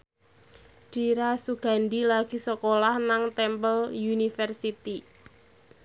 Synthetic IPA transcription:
d̥iɾasuɡ̥a̤nd̪ilaɡ̥i̤səkolahnaŋt̪ɛmpəljunifɛrsit̪i

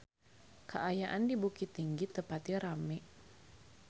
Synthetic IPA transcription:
kəʔajaʔandibukit̪iŋɡit̪əpat̪iɾamɛʔ

